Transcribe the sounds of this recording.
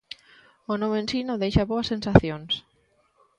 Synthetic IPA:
onõmensinõðejʃaβoɐsːẽnsaθjons

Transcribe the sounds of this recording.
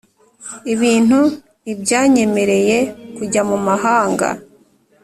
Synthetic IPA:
iβiːn̥hu | nibɟaːɲe̞me̞ɾe̞je̞kuɟamumaɦaːŋɡa̰

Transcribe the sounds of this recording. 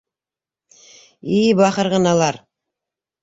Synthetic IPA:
ijbɑχɤɾʁɤnɑlˠɑɾ

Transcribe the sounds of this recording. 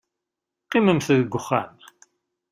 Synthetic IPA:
qːɪməmθðəɡʷʊχːa̰n

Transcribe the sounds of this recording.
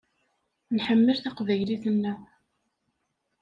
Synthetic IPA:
nħəmːəlθaqvæjliθənːæ

